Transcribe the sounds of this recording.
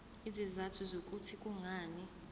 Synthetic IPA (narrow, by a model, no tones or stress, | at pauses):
izizatʰuzok̬ʼutʰikʼuŋaːni